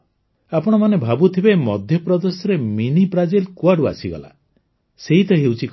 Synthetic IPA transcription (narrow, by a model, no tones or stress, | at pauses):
apɔɽ̃ɔmanebʱabut̪ʰibemɔd̪ʱjɔpɾɔd̪esɔɾeminipɾad͡ʒilkuaɖua̰siɡɔ̰la̰ | seɦit̪ɔɦewt͡ʃʰik